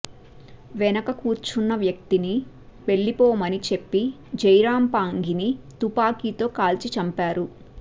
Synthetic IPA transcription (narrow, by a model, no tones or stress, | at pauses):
ʋɛnɐkɐkuːɾt͡ʃunːɐʋjɐk̚t̪ini | ʋe̞ɭːipɔːmɐnit͡ʃe̞pːi | d͡ʒɐjɾaːmpaːŋɡinit̪upaːkiːt̪o̞ːkaːlt͡ʃit͡ʃɐmpaːɾu